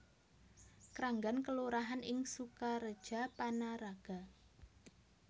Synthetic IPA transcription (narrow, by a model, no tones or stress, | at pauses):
kɾaŋɡankəluɾaɦanɪŋsukaɾəd̥ʒ̥a̤panaɾaɡ̥a̤